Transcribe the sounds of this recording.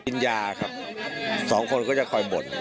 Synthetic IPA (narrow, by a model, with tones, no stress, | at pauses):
i˧njaː˧kʰa˦˥p̚ | sɔː˩˦ŋkʰo˧nkɔː˥˩t͡ɕa˨˩kʰɔ˧jbo˨˩n